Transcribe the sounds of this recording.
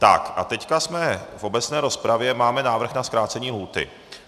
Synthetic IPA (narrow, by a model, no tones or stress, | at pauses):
t̪a̰kʔa̰t̪ɛckasmɛfʔo̞bɛt͡snɛːɾo̞spɾavjɛmaːmɛnaːvr̩xnaskɾaːt͡sɛɲiːlɦuːt̪ɪ̰